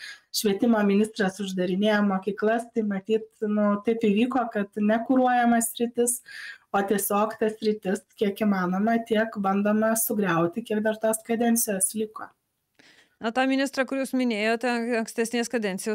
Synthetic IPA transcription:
ʃʲʋʲiɛt̪ʲɪmoːmʲɪnʲɪst̪ɾɐsʊʒd̪ɐɾʲɪnʲeːjoːmoːkʲiːklˠɐst̪ɐɪmɐt̪ʲiːt̪nʊt̪ɐɪpɪʋʲiːkoːkɐt̪nʲɛkʊɾuɔjɛmɐssʲɾʲɪt̪ʲɪsoːt̪ʲiɛsʲoːkt̪ɐssʲɾʲɪt̪ʲɪskʲiɛkiːmɑːnoːmɐt̪ʲiɛkbɐnd̪oːmɐsʊɡɾʲɛʊt̪ʲɪkʲiɛkd̪ɐɾt̪oːskɐd̪ʲɛnʲt̪sʲɪjoːslʲiko̰ː | ɐt̪ɑːmʲɪnʲɪst̪ɾɐkʊɾʲjuːsmʲɪnʲeːjoːt̪ʲɛɐŋksʲt̪ʲɛsʲnʲeːskɐd̪ʲɛnt̪sʲɪjoː

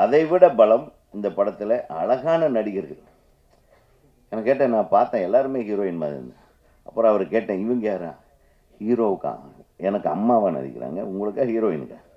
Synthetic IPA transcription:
ɐðɐɪʋɪɽɐbɐɭɐm | ɪnd̪ɐpɐɽɐt̪ːɪlɐʔɐɭɐɣaːnɐnɐɽɪɣɪɾɯɣɐɾ | ɛnɐkːeːʈ̬ːẽːnãːpaːɾt̪ãːɛlːaːɾɯmeːhiːɾoːɪnmaːðɪ̰ɾɯ̰nd̪ɯ | ʔɐpːɯɾõɐʋɐɾkeːʈːẽːɪʋɐŋɡɐjaːɾã̰ː | hiːɾoːkːã̰ːɛnɐkːɯɐ̰mːaːʋaːnɐ̰ðɪ̰kːɪɾa̰ːŋɡɐ̰ʊŋɡɐɭɯkːãːhiːɾoːjɪnːɯ̰kːã̰ː

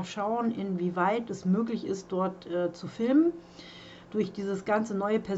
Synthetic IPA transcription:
ʃaʊənʔɪnviːvaɪtɛsmøːklɪçɪst̚d̥ɔɐtʔɛːt͡sufɪlmən | d̥ʊɐçd̥iːzəsɡ̥ant͡sənɔʏəpʰɛɐ

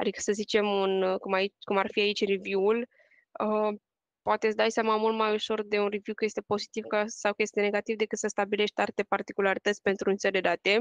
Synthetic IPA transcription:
a̰d̪ikə̥səzit͡ʃe̞munkumait͡ʃkumarfiait͡ʃʲrivjuul | ə | poat̪esd̪ajseamamult̪majuʃo̞rd̪e̞unrivjukəje̞st̪e̞po̞zit̪ivkasawkəjet̪iene̞ɡat̪ivd̪e̞kɨt̪səst̪abile̞ʃt̪art̪e̞part̪ikulaɾit̪ət̪sʲpe̞nt̪ɾunt̪seld̪ed̪at̪e̞

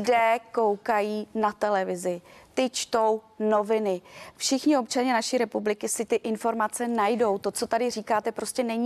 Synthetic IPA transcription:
dɛːko̞wkajiːnat̪ɛlɛvɪzɪt̪ɪt͡ʃt̪o̞wno̞vɪnɪfʃɪxɲɪo̞pt͡ʃaɲɛnaʃiːɾɛpublɪkɪsɪt̪ɪʔɪnfo̞ɾmat͡sɛnajdo̞wt̪o̞t͡so̞t̪adɪriːkaːt̪ɛpɾo̞scɛnɛɲiː

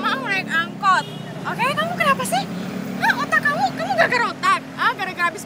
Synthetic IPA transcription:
maŋmɾakaŋkɔt̪̚ | ʔokekamukənapasɪhaot̪akamukamuɡaɡaɾot̪ak̚ahɡaɾaɡəɾabis

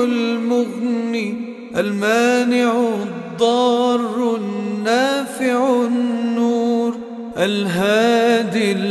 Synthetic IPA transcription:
lmʊbni | ʔalmaːnɪʕ | d̪ˤːɑːrˤːnːaːfɪʕnːuːɾ | ʔalɦaːd̪i

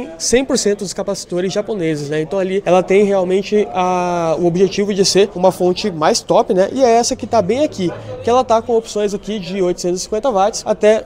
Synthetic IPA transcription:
sẽj̃poɾsẽnt̪ʊd̪ʊskapasi̥t̪oɾɪzʒaponezɪsnɛẽnt̪ɐ̃w̃aliɛlɐt̪ẽj̃ɦeawmẽnt͡ʃɪɐʊobʒet͡ʃivʊd͡ʒɪseɾũmɐfõnt͡ʃɪmajst̪ɔpɪnɛ̰ʔɪɛɛsɐkɪt̪abẽj̃akikɪɛlɐt̪akõw̃opsõj̃zakid͡ʒɪojt̪ʊsẽt̪ʊzɪsĩkwẽnt̪ɐvat͡ʃɪ̥sa̰t̪ɛ

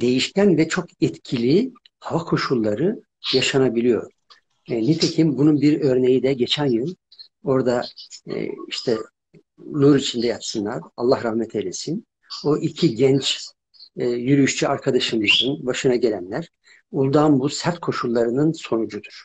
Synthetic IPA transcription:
d̪e̞jiʃcʰænvɛt͡ʃʰo̞kɛt̪cʰilʲi | havakʰo̞ʃulˠːaɾɯ | jaʃanabilʲijo̞̰ɾ | nɛt̪ʰecʰimbununbiɾø̞ɾne̞jid̪ɛɟet͡ʃʰænjɯnˠ | o̞ɾd̪a̰ | iʃt̪ʰɛ | nˠuɾit͡ʃʰind̪ɛjat̪sɯnlˠaɾalˠːahɾahmɛt̪ʰelʲesin | oʔicʰiɟɛnt͡ʃʰː | jyɾyyʃt͡ʃʰyaɾkʰad̪aʃɯmɯzɯnbaʃɯnaɟelʲænlʲæɾ̥ | ulˠd̪anbusæɾt̪kʰo̞ʃulˠːaɾɯnɯnso̞nud͡ʒud̪uɾ̥

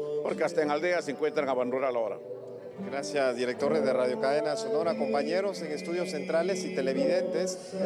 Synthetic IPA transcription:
po̞ɾkeast̪aeŋald̪e̞aseŋkwe̞nt̪ɾaŋaβanueɾalaoɾa̰ | ɡɾasjazðiɾek̚t̪o̞ɾezðe̞raðjo̞kaðe̞nasono̞ɾako̞mpaɲeɾo̞se̞ŋest̪uðjo̞sːe̞nt̪ɾale̞sit̪e̞le̞βiðe̞nt̪es

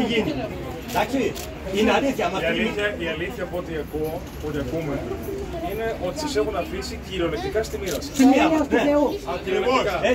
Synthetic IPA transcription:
iʝini | d̪ɐksi | ineɐliθçɐmɐiɐliiçɐiɐliθçɐpoot̪iɐko | pot̪iɐpume̞ine̞ʔo̞t̪i̥sɐse̞xunɐfisiciɾo̞lek̚t̪ikɐst̪imiɾɐssimiɾɐsneeuɐiɾookɐe

